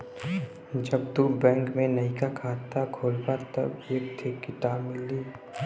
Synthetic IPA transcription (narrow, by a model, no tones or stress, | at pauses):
d͡ʒɐb̚t̪ubɛ̃ːŋkmẽnɐikakʰaːt̪akʰoːlpat̪ɐ̰bjekt̪ʰekːɪt̪aːbmɪlːiː